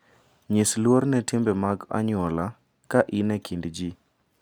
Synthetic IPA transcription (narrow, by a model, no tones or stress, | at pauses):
ɲɪslwoɾnɛtɪmbɛmaɡa̰ɲʊɔla | kaʔinɛkʰindd͡ʒi